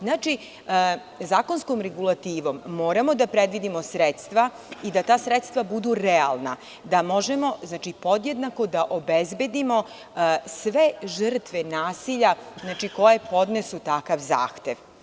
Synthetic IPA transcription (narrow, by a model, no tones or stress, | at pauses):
znaːt͡ʃi | zaːko̞nskomɾeɡulˠat̪iːʋo̞mːo̞ːɾamo̞d̪apɾed̪ʋid̪imo̞sɾet̪st̪ʋa | id̪at̪aːsɾet̪st̪ʋabud̪uɾea̰lˠna | d̪amo̞ʒemo̞znaːt͡ʃipo̞d̪jed̪nako̞d̪aʔobezbe̞d̪imo̞ | sʋeʒr̩t̪ʋenaːsiʎaznaːt͡ʃiko̞jepo̞d̪nesut̪akaʋza̰ːxt̪eʋ